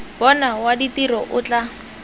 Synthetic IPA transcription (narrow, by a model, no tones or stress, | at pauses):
bɔnawaditiɾɔʔʊt͡ɬa